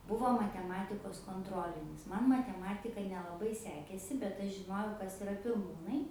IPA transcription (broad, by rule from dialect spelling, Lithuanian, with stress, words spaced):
ˈbʊʋoː mɐtʲɛˈmɑːtʲɪkoːs koːnˈtroːlʲɪnʲɪs ˈmɐn mɐtʲɛˈmɑːtʲɪkɐ nʲɛlˠɐˈbɐɪ ˈsʲæːkʲeːsʲɪ bʲɛt ˈɐʃ ʒʲɪˈnoːjɛʊ ˈkɐs ɪˈrɐ pʲɪrˈmuːnɐɪ